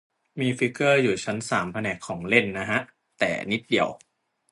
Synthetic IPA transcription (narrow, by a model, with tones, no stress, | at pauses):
miː˧fi˦˥kːɤː˥˩juː˨˩t͡ɕʰa˦˥nsaː˩˦mpʰa˧nɛː˨˩kʰːɔː˩˦ŋle˥˩nːa˦˥ɦʰa˦˥ʔ | t̪ɛ̰ː˨˩ni˦˥t̪̚di˨˩əw